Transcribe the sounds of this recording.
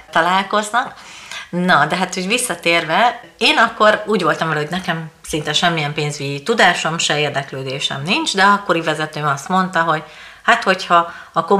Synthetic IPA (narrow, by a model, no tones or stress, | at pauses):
t̪ɒlaːlko̞znɒk | nɒd̪ɛɦaːt̪hoɟʋisːɒt̪eːrvɛ | eːnɒkːo̞ɾuːɟʋo̞lt̪ɒmvɛlɛɦo̞ɟnɛkɛmsint̪ɛʃɛmːijɛmpeːɲzyɟit̪ud̪aːʃo̞mʃɛeːrd̪ɛkløːd̪eːʃɛ̰mnint͡ʃd̪ɛzɒkːo̞ɾivɛzɛt̪øːmɒst̪mo̞nt̪ɒɦo̞ɟ | hat̪ho̞chɒː | ko